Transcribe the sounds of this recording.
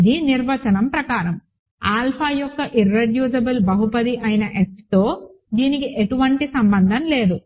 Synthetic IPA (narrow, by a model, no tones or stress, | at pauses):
d̪iniɾʋɐt͡ʃɐnɐmpɾɐkaːɾɐm | aːlpʰaːjɔkːɐʔiɾːeɖjuːd͡ʒɐbɐlbɐɦupɐd̪iʔɐjinɐʔekst̪o̞ː | d̪iːnikiʔeʈuʋɐɳʈisɐmbɐnd̪ʱɐmle̞ːd̪u